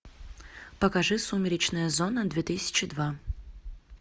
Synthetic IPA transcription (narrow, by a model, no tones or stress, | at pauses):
pəkɐʐɨsumʲɪɾʲɪt͡ɕnəjəzonəd̪vʲɛt̪ɨsʲɪ̥t͡ɕɪd̪va